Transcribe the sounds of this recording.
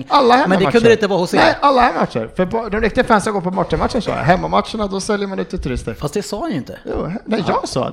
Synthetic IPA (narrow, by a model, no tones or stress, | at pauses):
alːahɛmɛnːmdɛkʰɵnd̪ɾɪnt̪əvɑːhʊsnɛɪʔalːahæmat̪ʂə̰ɾfœɾbd̪ɔmɾɪk̚t̪ɪɡfɾɛnsaɡoːpʰɔmɔʈːəmat̪ʂːənʂɑ̰ːja̰ɦɛmːamatʂəɳad̪ɔsɛljəɾmanʉːt̪ʰːɪt̪ʰɵɾɪst̪əɾfast̪̚d̪ɛsɑːjajʏnt̪ʰə̰jṵːnɛɪjɑːɡsɑ̰ːd̪